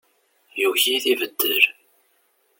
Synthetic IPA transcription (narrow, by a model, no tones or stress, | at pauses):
juçiθivəd̪ːəɾ